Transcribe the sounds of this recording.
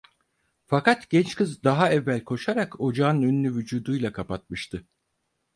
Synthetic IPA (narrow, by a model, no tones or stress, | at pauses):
fakat̪ɟ̥ɛnt͡ʃkɯzd̪aɦaɛvːælʲkʰo̞ʃaɾako̞d͡ʒaːnɯnønynʲyvyd͡ʒuːd̪ujlˠakʰapat̪̚mɯʃt̪ʰɯ